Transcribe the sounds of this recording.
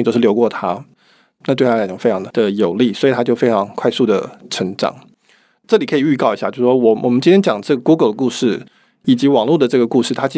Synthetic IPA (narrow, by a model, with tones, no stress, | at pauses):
t͡ɕjo˥ʊʂɻ̩˥˩jo˧˥ʊkwɔ˥˩t̪ʰa˥ | na˥˧wɪt̪ʰa˥˩˨ʊ˥˩fe˥ɪʈ͡ʂʰɑ˧˥ŋd̪ə˧˩d̪ə˨jo˨˩ʊli˥˩swɔ˧˥˨t̪ʰa˥t͡ɕjo˥˩ʊfe˥ɪʈ͡ʂʰɑ˧˥ŋkʰwa˥˧ɪsu˥˩d̪ə̰˩ʈ͡ʂʰə˧˥ŋʈ͡ʂɑ̰˨˩˦ŋ | ʈ͡ʂɤ˥˩li˨˩kʰɤ˧˥i˨˩y˥˧kɑ˥˩ʊi˧˥ɕja˥˩jʂwɔ˥wɔ˨˩wʔɔ̰˨˩mə˦nt͡ɕi˥nt̪ʰɛ˥nt͡ɕjɑ˨˩ŋd̪ə˦ʈ͡ʂɤ˥˩ɡə˩ku˥ɡə˨˩ld̪ə˦ku˥˧ʂɻ̩˥˩ | i˨˩t͡ɕi˧˥wɑ˨˩ŋlu˥˩d̪ə˩ʈ͡ʂɤ˥˩ɡə˩ku˥˧ʂɻ̩˥˩t̪ʰa˥t͡ɕi˥